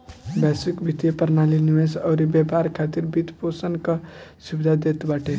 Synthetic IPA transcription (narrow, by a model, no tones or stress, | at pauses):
bɛsikbʱit̪jepəɾnaliniʋesɔːɾibapaɾkʰat̪iɾbit̪posənkasubid̪ʱad̪et̪baːʈʰe